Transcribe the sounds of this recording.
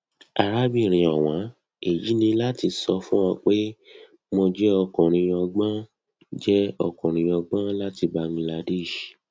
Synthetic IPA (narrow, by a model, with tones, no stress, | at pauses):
a˨ɾa˦bi˦˨ɾ̃ĩ˨ɔ˨w̃ã˨˦ | e˨ji˨˦nĩ˧la˦ti˧sɔ˧fũ˦ɔ̃˧k͡pe˦ | mɔ̃˧d͡ʒɛ˦ɔ˧kɔ̃˨ɾ̃ĩ˧ɔ˧ɡ͡bã˦ | d͡ʒɛ˦ɔ˧kɔ̃˨ɾ̃ĩ˧ɔ˧ɡ͡bã˦la˦ti˧ba˧ŋi˧la˧de˦˨ʃ